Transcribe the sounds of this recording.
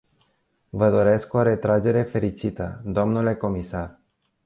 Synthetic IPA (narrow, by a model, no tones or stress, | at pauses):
vəd̪o̞ɾe̞sko̞ɾe̞t̪ɾad͡ʒe̞ɾe̞fe̞ɾit͡ʃit̪ə̰d̪o̞mnule̞ko̞misar